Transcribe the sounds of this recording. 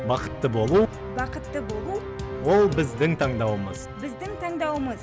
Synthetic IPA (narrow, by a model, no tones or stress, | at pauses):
bɑqə̥t̪ːəbo̞lˠu | bɑqət̪ːəbo̞lˠu | wo̞lˠbɪzd̪ɪŋt̪ʰɑɴd̪ɑwəməz̥bɪzd̪ɪŋt̪ʰɑɴd̪ɑwəməz